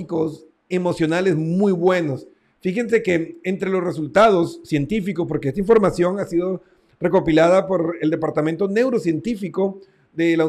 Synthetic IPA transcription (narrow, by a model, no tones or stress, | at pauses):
iko̞s | e̞mo̞sjo̞nale̞zmujβwe̞nos | fixe̞nse̞keent̪ɾe̞lo̞sresult̪að̞o̞sːje̞nt̪ifikospo̞ɾkeest̪aiɱfo̞ɾmasjo̞ŋasiðo̞ | re̞ko̞pilaðapo̞ɾeld̪e̞paɾt̪ament̪o̞ne̞wɾosje̞nt̪ifiko̞ | ðe̞la